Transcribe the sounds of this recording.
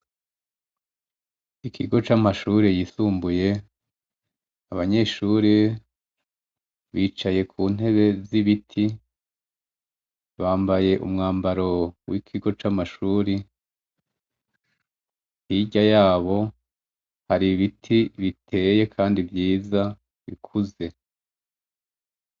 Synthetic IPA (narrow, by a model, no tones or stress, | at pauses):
ikʰiɡo̞t͡ʃamaʃuːɾejiːsuːmbuje̞ | aβaɲe̞ːʃuːɾe | βiːt͡ʃaje̞kʰuːn̥he̞βe̞ziβitʰi | βaːmbaje̞ʔṵmŋaːmbaɾo̞wʔikʰiɡo̞t͡ʃamaʃuːɾi | hiɟajaːβo̞ | haɾiβitʰiβitʰe̞ːje̞kʰaːndivjiːza | βḭkʰuze̞